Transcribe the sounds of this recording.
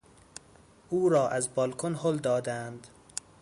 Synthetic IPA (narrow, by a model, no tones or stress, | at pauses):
ʔuːɾɒːʔæzbɒːlkʰonhold̪ɒːd̪ænd̪